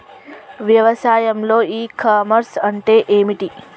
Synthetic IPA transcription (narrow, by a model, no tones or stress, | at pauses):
ʋjɐʋɐsaːjɐmloːiːkaːmɐɾsɐɳʈeːʔeːmiʈi